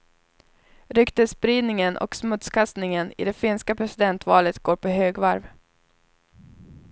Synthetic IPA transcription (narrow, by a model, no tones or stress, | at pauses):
ɾʏkt̪əspɾiːd̪nɪŋənʔɔ̰ksmɵt̪skʰast̪nɪŋənɪ̰d̪ɛfɪnskapʰɾɛsɪd̪ɛnt̪vɑːlət̪ɡoːɾpʰɔɦøːɡvaɾv